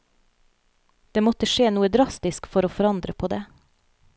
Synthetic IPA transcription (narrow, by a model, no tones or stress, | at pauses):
d̪̥eːmɔt̪əʃeːnuːəd̪ɾɑst̪ɪskfɔɾoːfɔɾɑnd̪ɾəpʰoːd̪eː